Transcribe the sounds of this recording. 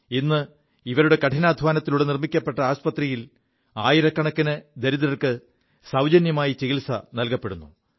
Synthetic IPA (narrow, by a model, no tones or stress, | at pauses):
inːɨ | iʋɐɾuɽe̞kɐʈʰinaːd̪ʱʋaːnɐt̪ːiluɽenirmikʲːɐpːe̞ʈːɐaːɕpɐt̪rijil | aːjiɾɐkːɐɳɐkːinɨd̪eɾiðɾɐrkɨ | sɐwd͡ʑɐnjɐmaːjit͡ɕiɣilsɐnɐlkɐpːe̞ɽunːu